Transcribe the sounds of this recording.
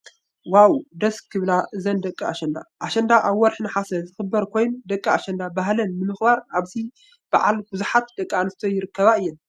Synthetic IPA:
wawd̪ɐskʰːɨβlaʔɨzɐnd̪ɐkʼiaʃɐnd̪a̰ʔaʃɐnd̪aʔaβwːɔɾħnɨħasɐzɨxɨbːɐɾkʰo̞jnud̪ɐkʼːiaʃɐnd̪abaɦlɐnnɨmɨxbaɾaβzi | b̥aʕa̰lb̥uzuħat̪̚d̪̥ɐkʼːianɨst̪ʰojɪɾɨkʰːɐβaɨjːɛn

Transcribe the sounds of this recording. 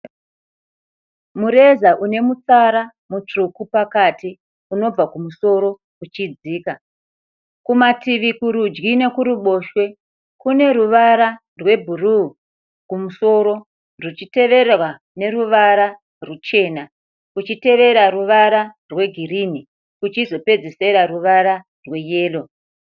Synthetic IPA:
muɾe̞zaʔune̞mut͡saɾa | mut͡ʂrukupakati | uno̞b͡vakumuso̞ɾo̞ | ut͡ʃid͡ziːka | kumatiʋikuɾud͡ʒɡine̞kuɾuɓo̞ːʃwe̞ | kune̞ɾuʋaɾa | rwe̞bʱuru | kumuso̞ːɾo̞ | rut͡ʃite̞ʋe̞ɾrwa | ne̞ɾuʋaɾa | rut͡ʃe̞ːna | kut͡ʃite̞ʋe̞ɾaɾuʋaɾarwe̞ɡʱiriːni | kut͡ʃizo̞pe̞d͡zese̞ɾaɾuʋaɾa | rwe̞jeːlo̞

